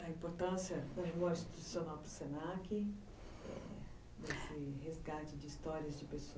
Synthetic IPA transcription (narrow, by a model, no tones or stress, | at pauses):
ɐĩpoɾt̪ɐ̃sjɐɐɦuɐsi̥t̪usionawpɾʊsenakɪ | ɛ̰ | nesɪhezɡat͡ʃɪd͡ʒɪːst̪ɔɾiɐzd͡ʒɪpeso